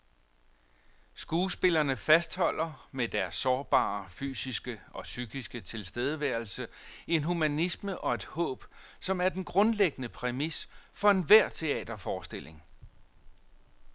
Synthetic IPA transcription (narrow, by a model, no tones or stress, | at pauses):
sɡ̥uːsb̥e̝lɐnəfæsd̥hɒ̽l̰ɐmed̥æɐsːɒːb̥ɑ̰̈ːfy̰ːsisɡ̥əɒ̽syɡ̥isɡ̥ət͡sʰe̝lsd̥eð̞ˠəʋæɐ̰lsə | e̝nɦumænisməʔɒ̽e̝d̥hɔ̰̽ːb̥ | sɒ̽mæɐd̥enɡ̥ʁɔ̽nleɡ̥ənəpʰʁɛmisfɒ̽e̝nʋæɐ̰t͡sʰe̝ɛ̰ːd̥ɐfɒːsd̥e̝l̰e̝ŋ